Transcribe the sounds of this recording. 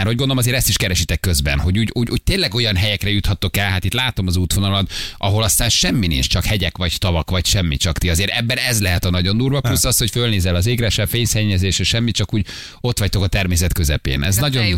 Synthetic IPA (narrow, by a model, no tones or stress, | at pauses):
mɛrho̞ɟɡond̪olmɒzeːɾɛst̪iʃkɛɾɛʃit̪ɛkːø̞zbɛ̰nɦo̞ɟuːɟuːɟuːɟ̚t̪eːnlɛɡo̞jɒnɦɛjɛkrɛjut̪hɒt̪ːo̞kɛlɦaːt̪it̪laːt̪o̞mɒzuːt̪ʋo̞nɒlɒnɒɦo̞lɒst̪aːnʃɛmːinḭnt͡ʃt͡ʃɒkhɛɟɛkʋɒɟt̪ɒvɒkʋɒcʃɛmːḭt͡ʃɒkt̪iɒzeːɾʔɛbːɛnɛzlɛɦɛt̪ɒnɒɟo̞nd̪uːrvɒplusːɒst̪hocfølneːzɛlɒzeːɡɾaːʃɛfeːjsɛɲːɛzeːʃɛʃɛmːitt͡ʃɒkuːɟ | o̞t̪ʋɒc̚t̪o̞kɒt̪ɛrmeːsɛt̪kø̞zɛ̰pḛːnɛznɒɟo̞n